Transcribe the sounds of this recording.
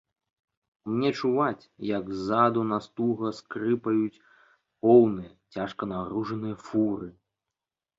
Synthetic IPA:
mnʲɛt͡ʂuvat͡sʲjɐɡzad̪unast̪uɣɐskɾɨpɐjut͡sʲ | pɔwnɨjɐt͡sʲaʂkɐnaɾuʐɐnɨjɐfuɾɨ

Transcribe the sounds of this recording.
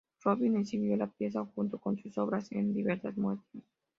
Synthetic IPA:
roβinensinjolapjes̬axunt̪okonsusoβɾasḛnd̪iβeɾsazmwet̪e

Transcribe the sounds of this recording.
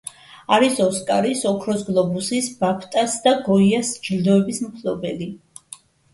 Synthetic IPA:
aɾisɔskʼaɾisɔkʰɾɔsɡlˠɔbusisb̥apʰt̪ʼasd̪aɡɔiasd͡ʒld̪ɔɛbismpʰlɔbɛli

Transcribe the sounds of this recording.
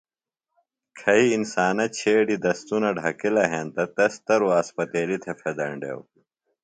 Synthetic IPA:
kʰɐiːnsaːnɐt͡ɕʰeːɖid̪ɐst̪unɐɖʱɐkilɐɦeːnt̪ɐt̪ɐst̪ɐɾuaːspɐt̪eːlit̪ʰefʰed̪ɐɳɖḛw

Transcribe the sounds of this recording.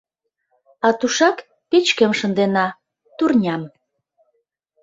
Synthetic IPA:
ɑt̪uʃɑk | pet͡ɕkə̆mʃə̆nd̪enɑ | t̪urnʲɑm

